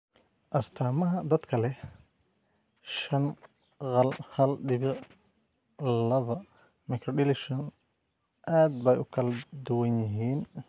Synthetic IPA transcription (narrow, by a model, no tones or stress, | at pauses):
ʔɐst̪ʰaːmɐɦɐd̪ɐd̪kʰɐlɛ | ʃɐn | qɑlhɐlɖɪβɪʕ | lɐβɐ | mɪkʰrɔɖɪlɪʃɔn | ʔaːd̪̚bɛjʊkʰɐlɐd̪ʊwɐnjɪɦiːn